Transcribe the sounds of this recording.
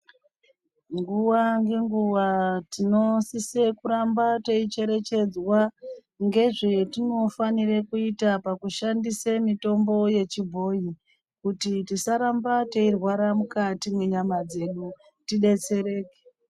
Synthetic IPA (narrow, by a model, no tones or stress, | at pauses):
ŋɡuwaŋɡe̞ŋɡuwatino̞sise̞kuɾambateit͡ʃe̞ɾe̞t͡ʃe̞d͡zwa | ŋɡe̞ʐetino̞faniɾekuitapakuʃandisemito̞mbo̞je̞t͡ʃibʱo̞i | kutitisaɾambateirwaɾamukatimweɲamad͡ze̞ɗu | tiɗe̞t͡se̞ɾe̞ːke̥